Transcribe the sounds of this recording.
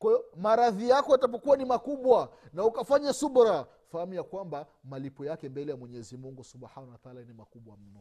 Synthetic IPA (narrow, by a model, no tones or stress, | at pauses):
kwajɔmaɾaðijakɔjatap̬ɔkuwanimakuɓwanaukafaɲasuɓɾa | fahamujakwamba | malipɔjakɛmbɛlɛjamwɛɲɛzimuŋɡusubhanawatalanimakuɓwam̩nɔ